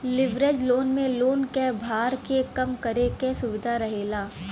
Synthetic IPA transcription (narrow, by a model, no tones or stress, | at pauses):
lɪʋɾed͡ʒloːnmẽloːnkɛbʱaːɾkekɐmkɐɾekɛsʊʋɪd̪ʱaɾɐɦeːlaː